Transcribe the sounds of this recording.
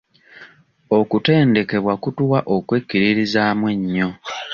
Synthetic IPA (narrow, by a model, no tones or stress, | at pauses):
okute̞ːnde̞ke̞βwakutuwaʔo̞kweːkːiɾiɾizaːmwe̞ɲːo̞